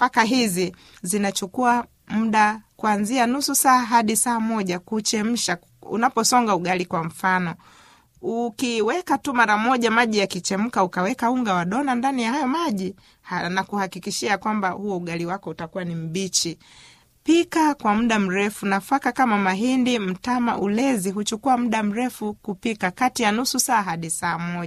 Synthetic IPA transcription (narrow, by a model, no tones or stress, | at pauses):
fakaɦizi | zinat͡ʃukua | m̩ɗakuanzianususaːɦaɗisaːmɔʄakut͡ʃɛm̩ʃa | ṵnapɔsɔŋɡauɡalikwam̩fanɔ | ukiwɛkatumaɾamɔʄamaʄijakit͡ʃɛm̩kaukawɛkauŋɡawaɗɔnandanijahajɔmaʄi | hanakuhakikiʃiakwambahuɔuɠaliwakɔutakuwanim̩ɓit͡ʃi | pikakwam̩ɗam̩ɾɛfunafakakamamaɦindim̩tama̰ʔulɛziɦut͡ʃukuam̩ɗam̩ɾɛfukupikakatijanususaːɦaɗisaːmɔʄa